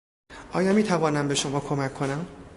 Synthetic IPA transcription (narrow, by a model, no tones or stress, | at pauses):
ʔɒːjɒːmiːt̪ʰævɒːnæmbe̞ʃo̞mɒːkʰo̞mækʰːonæm